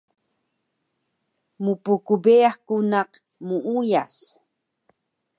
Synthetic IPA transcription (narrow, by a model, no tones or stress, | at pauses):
mupukubeaχkunaq | muʔujas